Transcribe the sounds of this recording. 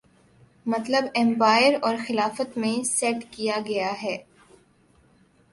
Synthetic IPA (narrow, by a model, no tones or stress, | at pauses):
mɐt̪ləbɛ̃mpaːɪəɾɔːɾxɪlaːfət̪mẽsɛːʈkijaɡɐjaɦɛː